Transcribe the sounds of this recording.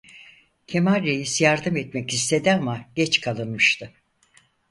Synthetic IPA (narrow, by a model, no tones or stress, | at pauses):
cʰemaɾːejisjaɾd̪ɯmɛt̪mɛcist̪ʰe̞d̪iamaɟɛt͡ʃkʰalˠɯnmɯʃt̪ʰɯ